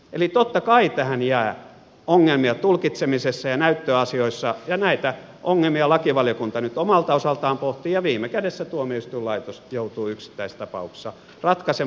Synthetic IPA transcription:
elit̪ot̪ːɑkɑit̪æhænjæː | oŋːelmiɑt̪ulkit̪semisesːæjɑnæyt̪ːøɑsioisːɑjɑnæit̪æ | ʔoŋːelmiɑlɑkiʋɑljokunt̪ɑnyt̪omɑlt̪ɑosɑlt̪ɑːmpoht̪iːjɑʋiːmːˑekædesːæt̪uomiyst̪yːlɑit̪osjout̪uːyksi̥t̪ːæist̪ɑpɑ̰ukse̥sɑ | rɑt̪kɑse

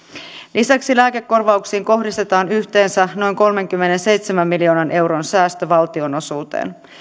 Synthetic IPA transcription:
lʔisæksilæːke̞kːo̞rʋɑuksiːŋko̞ɦdist̪e̞t̪ɑːnyçt̪e̞ːnsæno̞jŋko̞lme̞ŋkymːe̞ne̞nse̞jt̪semæmːilio̞ːnɑnʔe̞wɾo̞nsæːst̪øʋɑlt̪io̞no̞suːt̪ḛːn

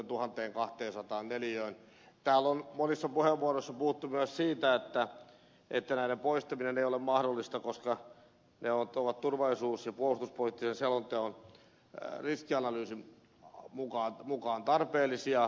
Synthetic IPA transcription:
t̪uhɑnt̪eːŋkɑht̪eːnsɑt̪ɑːnneljøin | t̪æːlːonmonisːɑpuheʋʋuoroisːɑpuhut̪ːumyøssiːt̪æet̪ːæ | ʔet̪ːænæinempoist̪ɑmineneijolemmɑhdolːist̪ɑkoskɑ | neonoʋɑt̪t̪urʋɑlisuːsjɑpuolust̪uspolit̪ːisenselont̪ːeon | riskiɑnɑlyːsi | mukɑːnmukɑːnt̪ɑrpeːlːˑisiɑ

